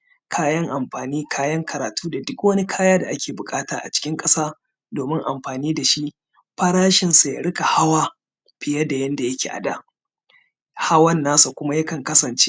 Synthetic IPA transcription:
kʰaː˦jɐ˦ŋʔa˨mɸaː˨niː˦kʰaː˦jɐ˦ŋkʰɐ˨ɾaː˨tuː˦da˨dʊ˦kwɐ˦ni˦kʰaː˦jaː˦da˨ʔa˦kʲeː˨bʊ˨kʼaː˦taː˨ʔa̰˨t͡ʃɪ̥˦kʲɪ˦ŋkʼɐ˦saː˦ | doː˨mɪ˦ŋʔa˨mɸaː˨niː˦da˨ʃi˦ | ɸɐ˦ɾaː˦ʃɪ˨nsa˨ja˨ɽɪ˦ka˨ha˦waː˦ | ɸɪ˨jɐ˦da˨jɐ˦nda˨jɐ˦kʲḛː˨ʔa̰˨da̰˦˨ | ha˦wɐ˦nːaː˦sa˨kʷʊ˦ma˦ja˦kɐ˨ŋkɐ˦sɐ˨nt͡ʃe˦

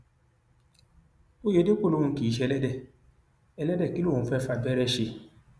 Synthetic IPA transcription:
o˦je˨˦de˦k͡po˦˨lo˦ũ˧˦ki˨i˨˦ʃ̬ɛ˧lɛ˦dɛ˦˨ | ɛ˧lɛ˦dɛ˦˨ki˨˦lo˦˨ũ˨˧˨fɛ˦fa˧bɛ˦ɾɛ˧ʃe˧

